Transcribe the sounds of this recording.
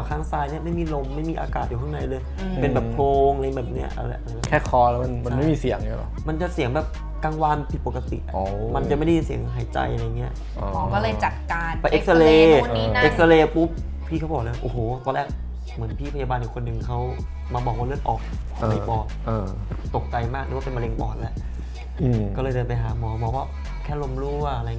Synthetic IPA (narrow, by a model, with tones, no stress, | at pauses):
kʰaː˥˩ŋsaː˧jni˥˩əma˥˩jmiː˧˩lo˧mːa˥˩jmiː˧ʔa̰ː˧kaː˨t̪̚ju˨˩a˥˩ŋna˧jlɤː˧j | pe˧nbɛː˨˩p̚pʰloː˧ŋ˧˩bɛː˨˩p̚ni˦˥ɐʔa̰˧la̰˧˩jʔa˧la˧jkʰɛː˥˩kʰɔː˧lɛ˦˥ma˧nma˧nma˥˩jmiː˧si˨˩˦əŋa˧˥˩lɔ̰˧˩ma˧nt͡ɕa˨˩si˨˩˦əŋbɛː˨˩p̚ | kaː˧ŋwaː˧npʰi˨˩t̪̚po˨˩ka˧t̪ḭ˨˩ʔma˧nt͡ɕa˨˩ma˥˩da˥je˧nsi˩˦əŋɦaː˨˩˦jt͡ɕa̰˧jʔa˧a˧jːŋi˦˥ɐʔ | ɔ˨˦kɔː˥˩lɤː˧jt͡ɕa˨˩t̪̚kaː˧pa˧˩ʔe˦˥k̚sa˧leː˧ʔe˦˥k̚sa˧leː˧pu˦˥p̚ | pʰːiː˥˩kʰa˦˥wbɔː˨˩k̚lːwa˥˩ʔoː˨˩hoː˨˩wk̪ɔː˧lɛː˥˩k̚ | mɯ˩˦ənpʰiː˥˩pʰa˧jaː˧baː˧njiː˨˩kʰo˧nːɯ˧ŋkʰa˦˥w | maː˧bɔː˨˩k̚waː˥˩lɯ˥˩ət̪̚ʔɔː˨˩k̚ː | a˧˨˩pɔː˨˩t̪̚ʔɤː˧ | t̪o˨˩k̚t͡ɕa˧jmaː˥˩kna̰˧˦a˥pe˧ma˧le˧ŋpɔː˨˩t̪̚lɛ˦˥ʔ | kkɔː˥˩lɤː˧jt͡ɕːpa˧jɦaː˩˦mɔː˧bɔː˨˩kwaː˥˩ | kʰɛː˥˩lo˧mɾuː˥˩ʔa˧ɾa˧j